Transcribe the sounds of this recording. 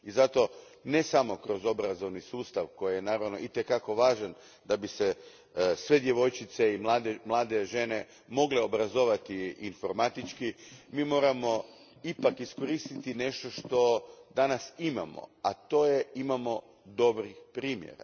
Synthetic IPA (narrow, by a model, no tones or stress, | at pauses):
izat̪o̞ | ne̞samo̞kɾo̞zo̞bɾazo̞ʋnisuːst̪aʋko̞jijenaːɾaʋno̞̰ʔit̪ekako̞ʋaːʒan | d̪abise | sʋe̞d̪je̞ʋo̞jt͡ʃit̪se̞imlaːd̪emlˠaːd̪e̞ʒe̞ne̞ | mo̞ɡleo̞bɾazo̞ʋat̪iːnfo̞ɾmat̪it͡ʃkimiːmo̞ːɾamo̞ | ipakisko̞ɾiːst̪it̪ine̞ʃt̪o̞ʃt̪o̞d̪anasima̰mo̰at̪o̞ːje̞imamo̞ | d̪o̞bɾixpɾiːmjḛɾa̰